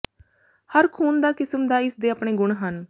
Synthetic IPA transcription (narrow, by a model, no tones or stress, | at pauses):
həɾkʰuːnd̪aːkɪsəmd̪aːɪsd̪eːapɳeːɡʊɳɦən